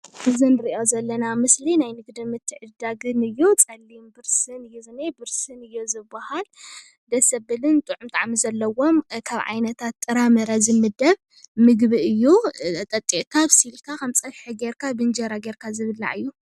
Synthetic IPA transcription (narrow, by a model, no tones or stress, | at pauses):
ʔɨzɨnɨɾiʔo̞zɐlːɐnamɨslinajnɨɡd̪ɨmɨt̪ʰːɨʕɨd̪aɡɨnɨjːut͡sʼɐlːimbɨɾsɨnɨjːuzɨnebɨɾsɨnɨjːozɨbːahal | d̪ɐsɐbɨlɨnt̪ʼɨʕumt̪ʼaʕamizɐlːɐwo̞mkʰaβʕa̰jnɐt̪ʰat̪ʼːɨɾamɐɾazɨmɨd̪ɐβ | mɨɡβiɨjːut̪ʼɐt̪ʼːiʔkʰaβsilkʰakʰɐmt͡sʼɐlħɨɡeɾkʰabɨnd͡ʒɐɾaɡeɾkʰazɨβɨlːa̰ʔɨjːu